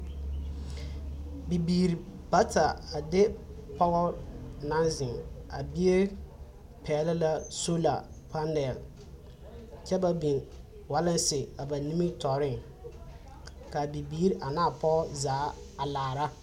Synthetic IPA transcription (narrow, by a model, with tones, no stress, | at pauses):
bi˨biː˨ɾi˨pa˦ta˨a˨dɪ˦pɔ˦ɣɔ˦na˦nzɪ˨ŋa̰˨bi˦e˦ | pʰɛː˨lɪ˦la˦so˦la̰˨ | pa˦nɛ˨l | t͡ʃɛ˦ba˦bi˨n | wa˦lɪ˦nsɪ˨a˨ba˨ni˦mi˦tɔ˨ɾɪ˦ŋ | ka˨bi˨biː˦ɾi˦ʔa˨naː˦˨pɔ˦zaː˨˦ | a˨laː˨ɾa˦